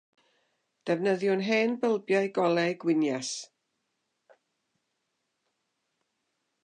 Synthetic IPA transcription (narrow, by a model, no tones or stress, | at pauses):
d̥ɛvnəðjʊnɦɛːnbəlˠbjajɡɔlˠɛjɡwɪnjas